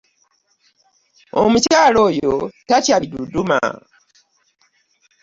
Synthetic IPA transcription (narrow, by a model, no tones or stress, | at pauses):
o̰mucaːlo̞ːjo̞tacaβiduduma̰